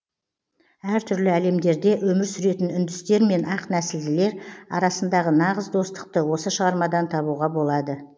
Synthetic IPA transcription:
æɾt̪ʰʏɾlɪæle̞md̪e̞ɾd̪e̞ʔwɵmɪɾsʏɾe̞t̪ɪnʏnd̪ɪst̪e̞ɾme̞nɑqnæsɪld̪ɪle̞ɾɑ̰ɾɑsənd̪ɑʁənɑʁəzd̪o̞st̪ə̥q̚t̪əwo̞səʃəʁɑɾmɑd̪ɑnt̪ʰɑβuʁɑbo̞lˠɑd̪ə

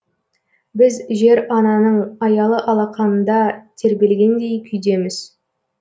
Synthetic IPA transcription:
bɪzʒe̞ɾɑnɑnəɴɑjɑlˠəʔɑlˠɑqɑnənd̪ɑt̪ʰe̞ɾbʲe̞lɡʲe̞nd̪e̞jkʲʰʏjd̪e̞mɪz̥

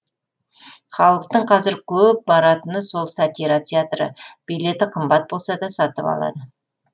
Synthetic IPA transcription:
χɑlˠəq̚t̪əɴqʰɑzɪɾkʲʰɵp̚bɑɾɑt̪ənəso̞lˠsat̪ʲiɾat̪ʲʰeat̪rə̰b̥ijle̞t̪ɪqʰəmbɑt̪̚bo̞lˠsɑd̪ɑsɑt̪ə̰pɑ̰lˠɑ̰d̪ə

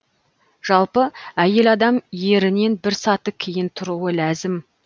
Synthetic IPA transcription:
ʒ̥ɑlˠpəæje̞lɑd̪ɑmje̞ɾɪne̞nbɪɾsɑt̪əkʲʰejɪnt̪ʰʊɾuəlæzɪm

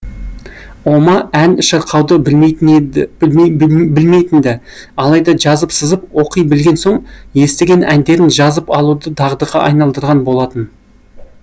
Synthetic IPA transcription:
o̞mɑænʃɑɾqʰɑwd̪ə | bɪlme̞jt̪ɪnd̪ɪ | ɑlˠɑjd̪ɑʒɑzəpsəzəp̚wo̞qijbɪlɡʲe̞nsoɴje̞st̪e̞ɡʲe̞nʔænd̪e̞ɾɪnʒɑzəpɑlˠud̪əd̪ʰɑʁd̪əʁɑʔɑ̰jnɑlˠd̪əɾʁɑnbo̞lˠɑt̪ən

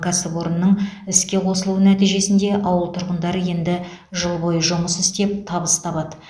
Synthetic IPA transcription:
kasəpoɾənːəɴɪskʲe̞qʰo̞səlˠuənæt̪ijʒe̞sɪnd̪e̞ʔɑwəlˠt̪ʰʊɾʁənd̪ɑɾəje̞nd̪ɪ | ʒəlˠbo̞jəʒʊməsɪst̪e̞p̚t̪ʰɑbəst̪ʰɑbɑd̪ə

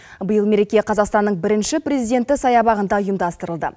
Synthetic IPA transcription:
bəjəlˠme̞ɾe̞kʲe̞qʰɑzɑqst̪ɑnːəɴbɪɾɪnʃɪpɾʲezijd̪ʲe̞nt̪ɪsɑjɑbɑʁənd̪ɑujəmd̪ɑst̪əɾəlˠd̪ə̰

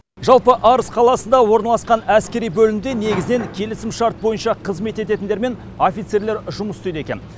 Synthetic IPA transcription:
ʒɑlˠpəʔɑɾəsqʰɑlˠɑsənd̪ɑwo̞ɾnɑlˠɑsqɑnæskʲe̞ɾijbɵlɪmd̪e̞ne̞ɡʲɪzɪne̞ŋkʲʰe̞lɪsɪmʃɑɾt̪̚bo̞jənʃɑqʰəzme̞t̪e̞t̪e̞t̪ɪnd̪eɾme̞n | o̞fijt̪se̞ɾle̞ɾʒʊməst̪ʏjd̪e̞kʲe̞̰n

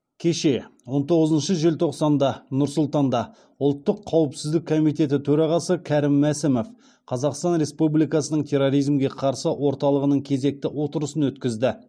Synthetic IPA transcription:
kʲʰe̞ʃe̞wont̪ʰo̞ʁəzənʃəʒelt̪ʰo̞qsɑnd̪ɑnʊɾsʊlˠt̪ɑnd̪ɑ | ʊlˠt̪ːəqʰːɑwəpsɪzd̪ɪk̚kʰːo̞mijt̪e̞t̪ɪt̪ʰɵɾɑʁɑsəkʲʰæɾɪmːæsɪmof | qʰɑzɑqst̪ɑnɾe̞spublijkɑsənəɴt̪ʰe̞ɾoɾijzmɡʲe̞qʰɑɾsəwo̞ɾt̪ɑlˠəʁənəɴkʲʰe̞ze̞k̚t̪ɪwo̞t̪əɾəsənwɵt̪kʲɪzd̪ɪ

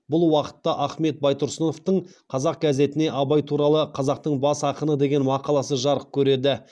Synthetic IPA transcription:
bʊlˠwɑqə̥t̪ːɑʔæχme̞t̪̚bɑjt̪ʊɾsəno̞ft̪əɴqʰɑzɑq̚ɡʲæze̞t̪ɪne̞ʔɑbɑjt̪ʰuɾɑlˠəqʰɑzɑq̚t̪əɴbɑsɑqənəd̪e̞ɡʲe̞nmɑqɑlˠɑsəʒɑɾəp̚kʲʰɵɾe̞d̪ɪ

